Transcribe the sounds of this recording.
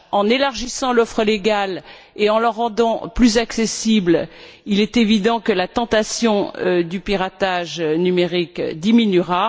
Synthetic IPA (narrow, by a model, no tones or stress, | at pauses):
ɑ̃nelaʁʒisɑ̃lɔfχəleɡal | eɑ̃ləʁːɑ̃d̪ɑ̃plyzaksesibl | ilɛt̪evid̪ɑ̃kəlat̪ɑ̃t̪asjɔ̃d̪ypiʁat̪aʒnymeʁikd̪iminyʁa